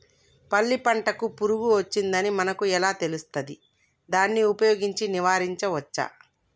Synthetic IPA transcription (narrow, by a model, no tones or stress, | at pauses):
pɐlːipɐɳʈɐkupuɾuɡuɐt͡ʃːind̪ɐnimɐnɐkuɛlaːt̪e̞lust̪ɐd̪i | d̪aːnːiupɐjoːɡiɲt͡ʃiniʋaːɾiɲt͡ʃɐʋɐt͡ʃːa̰